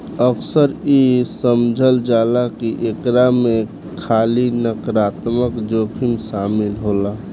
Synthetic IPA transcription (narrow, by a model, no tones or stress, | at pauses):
əksəɾisəmd͡ʒʱəld͡ʒalakiʔekɾame | kʰalinəkɾat̪məkd͡ʒokʰimsamilɦola